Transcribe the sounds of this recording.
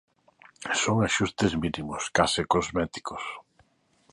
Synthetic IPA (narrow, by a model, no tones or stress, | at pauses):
soŋaʃust̪ɪzminimʊskasɪkozmɛt̪i̥kos